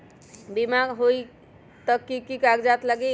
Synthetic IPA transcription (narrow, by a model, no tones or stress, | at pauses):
bimaɡɦoj | t̪ʌkikikaɡd͡ʒat̪ləɡi